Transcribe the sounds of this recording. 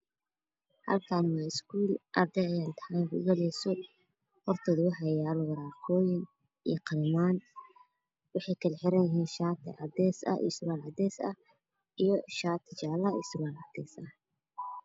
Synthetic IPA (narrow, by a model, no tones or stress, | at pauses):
hɐ̰lkʰaːnmaskʰuːlʔɐrd̪ɛjɐjaːnt̪ʰɐ̥hajnkʊ̰ɡɐlɛsɔ | hɔrt̪ʰɔːðʊwɑħɑjaːlɔwɐɾaːkʰɔːjɐn | ijqɑɾmaːn | wɑħɑjkʰɐlħɪɾɐnjɪɦiːnʃaːt̪ʰɐ̰ʔɐd̪ɛːsɐ̰ʔḭsʊɣaːlɐd̪ɛːsɐ | ijɔʃaːt̪ʰɪt͡ʃaːlɐḭsʊɣaːlɐ̰d̪̥ɛːsɐ